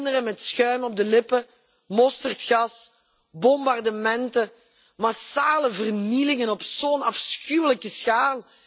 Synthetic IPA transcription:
ndəɾəmɛtsxœɥməɔb̚dəlɪpə | mɔstərtxɑs | bɔmbɑrdəmɛntə | masaːləvərnilɪŋənɔpsoːnɑfsxywləkəsxaːlˠ

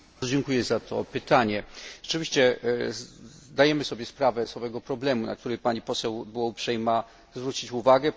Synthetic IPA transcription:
ɔd͡ʑɛŋkujɛzat̪ʰɔ̰pɘt̪aɲɛʐɛ̥t͡ʂɘvʲiɕt͡ɕɛ | d̪ajɛmɘsɔbʲjɛspɾavɛsɔvɛɡɔpɾɔblɛmuna̰k̚t̪uɾɛjpaɲipɔsɛwbwɔupʂɛjma | zvɾut͡ɕit͡ɕuvaɡɛ

